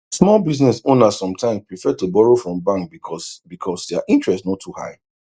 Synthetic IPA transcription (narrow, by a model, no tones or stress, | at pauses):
smɔlˠbiznɛsõnasɔ̃mtʰãɪ̃mspɹifɛtubɔɹofɹɔ̃mbãŋkbikʰɔsbikʰɔsdɛaʔĩntɹɛstnɔtʰːuha̰ɪ